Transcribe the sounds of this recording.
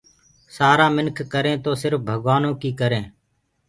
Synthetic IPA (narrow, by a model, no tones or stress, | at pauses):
saːɾaːmɪnkʰːəɾẽːt̪oːsɪɾfbʱəɠʋaːnõːkiːkəɾẽː